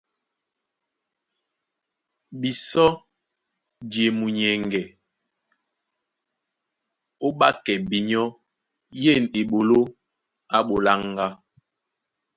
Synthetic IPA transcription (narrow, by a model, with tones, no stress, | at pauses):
bi˨sɔ˦ | dje˨mu˨ɲɛ˨ŋɡɛ˨ | o˦ɓa˦kɛ˨bi˨ɲɔ˦ | je˦˨ne˨ɓo˨lo˦ | a˦ɓo˨la˦ŋɡa˦